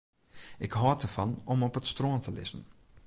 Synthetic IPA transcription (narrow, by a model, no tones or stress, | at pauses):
ɪkɦɔːtəfɑnɔmɔpətstroːntəlɪ̰zən̩